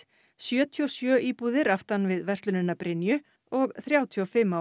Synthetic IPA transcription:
sjœːt̪ʰiɔsjœːʔiːpuðɪɾaft̪anvɪðvɛr̥st̪lʏnɪnːapɾɪnːjʏ | ɔɣθɾjaːwt̪ʰiɔfɪmːa

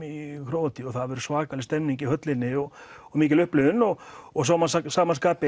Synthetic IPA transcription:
ikʰɾowt̪iɔɣθaðvʏɾʏsvaːkalɪst̪ɛmniɲcɪhœt̪lɪnːɪɔɣɔmiːcɪlʏhplʏʏnːɔɣɔɣsaːmanssaːmaskaːpɪ

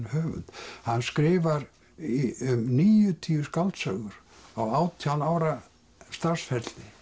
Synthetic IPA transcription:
nhœːvʏ̰nt̪hanːskɾɪːvaɾ | iʏmniːjʏt̪ʰiːʏskalt̪sœɣʏɾ̥ | awaːwt̪ʰjawnaːwɾa | st̪ar̥sfɛt̪lɪ

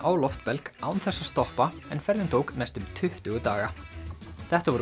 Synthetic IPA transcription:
ʔaːwlɔft̪̚pɛlkaːwnθɛsːḁst̪ɔhpaɛnfɛɾðɪnt̪ʰoːwknajst̪ʏmt̪ʰʏht̪ʏɣʏt̪aːɣa | θɛht̪avɔɾ

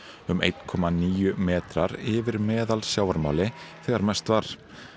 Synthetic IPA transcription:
ʏmḛjt̪n̥kʰɔːmaniːjʏmɛːt̪ɾaɾɪvɪɾmɛːðalsjaːwaɾma̰ːwlɪθɛɣaɾmɛst̪vaɾ̥

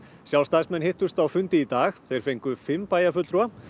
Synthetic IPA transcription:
sjawlst̪asmɛnhɪht̪ʏ̥st̪awfʏnt̪ɪit̪aːxθejɾ̥fejŋkʏfɪmːpaːjafʏt̪t̪ɾua

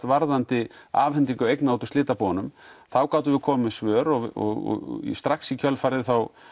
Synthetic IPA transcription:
t̪vaɾðant̪ɪa̰ːvhɛnt̪iŋkʏejknawt̪ʏst̪ɪːt̪apɔːanʏmθawkaːwt̪ʏvɪkʰɔːmɪsvœːɾɔɔ̰ɔ̰ḭst̪ɾaxsicʰœlfaɾɪðθaw

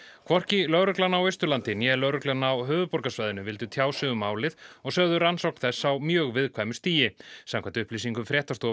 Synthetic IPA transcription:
kʰvɔr̥cɪlœɣɾʏklanawejst̪ʏlant̪ɪnjɛɛlœɾʏklanːawɦœːvʏpɔɾkasvaːjðʏnʏvɪlt̪ʏt̪ʰjaːwsʏðʏmaːwlɪðɔɣsœɣðʏransowkn̥θɛsːawmjœːɣvɪðkʰvajmʏst̪iːjɪsãmŋkʰant̪ʏhplisiŋkʏmfɾjɛːht̪ast̪ɔ

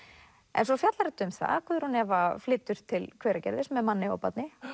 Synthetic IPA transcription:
ɛ̰nsɔfjat̪laɾɛt̪ʏmθa̰ðkʰvɛðɾhunɛvaflɪːt̪ʏɾ̥t̪ʰɪlkʰvɛːɾacɛ̰ɾðɪsmɛðmanːɪɔ̰pat̪nɪ

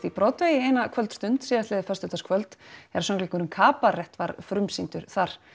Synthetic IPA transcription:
θipɾɔːt̪veːjɪejnakʰvœlt̪st̪ʏnt̪siːðast̪ɛːðɪfœst̪ʏt̪ʰaskʰvœlt̪ɛɾḁsɔŋklikʏɾʏmkʰaːparɛht̪vaɾfɾʏmsint̪ʏɾ̥θaɾ̥

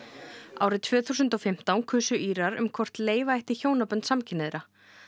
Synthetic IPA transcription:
a̰ːwɾɪðt̪ʰvœːθuːsʏnt̪ɔfɪm̥t̪awnkʰʏːsʏʔiːɾaɾʏ̰mkʰɔr̥t̪leːjvaajht̪ɪçoːwnapœnt̪samcʰɪnɪðɪɾa

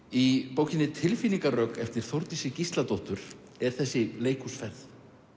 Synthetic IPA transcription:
ipoːwcɪnɪt̪ʰɪlfiniŋkarœkɛft̪ɪɾ̥θowɾt̪isɪcist̪lat̪oht̪ʏɾ̥ | ɛɾ̥θɛsːɪleːjkʰusfɛθ

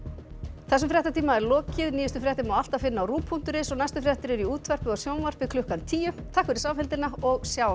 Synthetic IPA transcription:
θɛs̬ʏmfɾjɛht̪at̪ʰiːmaɛɾlɔːcɪðniːjʏst̪ʏfɾjɛht̪ɪmawal̥t̪afɪnːaawɾuːpʰːun̥t̪ʏɾɪsɔɣnajst̪ʏfɾjɛht̪ɪɾɛɾiuːt̪ʰvɛr̥pʏɔsjownvar̥pɪkʰlʏhkant̪ʰiːjʏmt̪ʰaːhkvʏɾɪsawfɛlt̪ɪnaɔɣsjaːwa

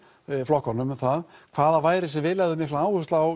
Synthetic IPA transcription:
flɔhkɔnːʏmɛθaðkʰv̥aːðavaːjɾɪsɛvɪːlɛɣðʏmɪhlaaːwhʏst̪law

